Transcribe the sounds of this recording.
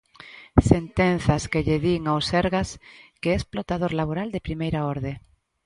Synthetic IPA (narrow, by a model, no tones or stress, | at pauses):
sent̪enθaskeʎeðiŋawseɾɣaskeesplot̪aðoɾlaβ̞oɾald̪epɾimejɾaoɾðe